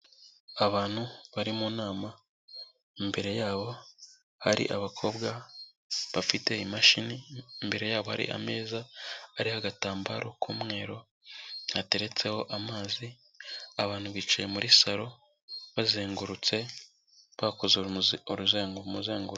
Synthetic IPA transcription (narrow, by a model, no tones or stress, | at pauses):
aβaːn̥huβaɾimunaːma | imbe̞ɾe̞jaːβo̞ | haɾḭʔaβakʰo̞ːbɡa | βafite̞imaʃiniːmbe̞ɾe̞jaːβo̞ha̰ɾḭʔa̰me̞ːzaaɾihaɡataːmba̰ɾʔo̞kumŋe̞ːɾo̞ | hate̞ɾe̞t͡se̞ho̞ʔamaːzi | aβaːn̥huβiːt͡ʃaje̞muɾisaɾo̞ | βazeːŋɡuɾut͡se̞ | βakozoɾuzeːŋɡoumuzeːŋɡuɾ